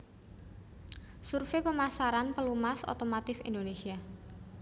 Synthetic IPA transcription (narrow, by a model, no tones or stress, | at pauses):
surfepəmasaɾanpəlumaso̰t̪omat̪ɪfindonesia